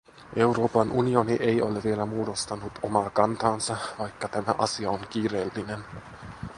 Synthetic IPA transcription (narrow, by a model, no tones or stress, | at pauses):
ʔe̞wɾo̞ːpɑnʔunio̞niʔe̞jo̞̰leʋie̞læmuːdo̞st̪ɑnut̪ʰo̞mɑːkɑnt̪ɑːnsɑʋɑjkːɑt̪æmæ̰ʔɑ̰siɑoŋk̟iːre̞ːlːine̞n